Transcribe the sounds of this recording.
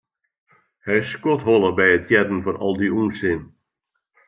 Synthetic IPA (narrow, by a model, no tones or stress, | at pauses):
hɛjɪsːkɔtɦɔlˠəbɛjətʰjɛdən̩foɾɔ̰lˠdiuːnsɪn